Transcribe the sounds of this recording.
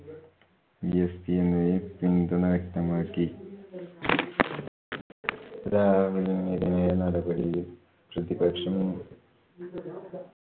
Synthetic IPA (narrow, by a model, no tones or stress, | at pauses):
ijɐspijenːupind̪unɐʋɐk̚t̪ɐmaːkːi | ɾaːʋilimiðinɐjɐnɐɽɐbɐɽij | prɨd̪ibɐkʂɐminː